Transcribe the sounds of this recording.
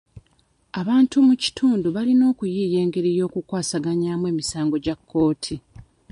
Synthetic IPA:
aβaːntumuci̥tʰuːnduβalino̞ːkujiːje̞ːŋɡe̞ɾijo̞ːkukwaːsaɡaɲaːmwe̞ːmisaːŋɡo̞ɟakʰːo̞ːtʰi

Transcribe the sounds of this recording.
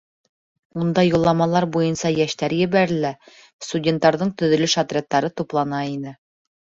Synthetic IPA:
und̪ɑjulˠːɑmɑlˠɑɾbujɤnsɑjæʃt̪æɾjɘ̆βæɾɘ̆læ | st̪udʲent̪ːɑɾðɤɴt̪ɵ̆ðɵ̆lɵʃɑt̪rʲet̪ːɑɾɤt̪uplˠɑnɑinɘ

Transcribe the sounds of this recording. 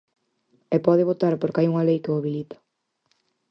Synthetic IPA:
epɔðɪβot̪aɾpoɾkajuŋalejkɪoβilit̪ḁ

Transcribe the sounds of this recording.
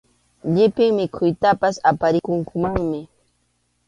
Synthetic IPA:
ʎɪpɪŋmɪkʰʊjt̪apasapaɾɪkʊŋkʊmaŋmɪ

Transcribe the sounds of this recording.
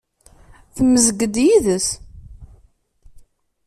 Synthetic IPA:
θmːəzəɡəd̪jiðəs

